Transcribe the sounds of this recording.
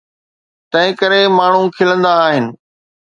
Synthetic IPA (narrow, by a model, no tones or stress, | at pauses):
t̪ɐ̃ɦɪ̃kəɾemaːɳ̤ũkʰɪlə̃nd̪aːɦɪnɪ̆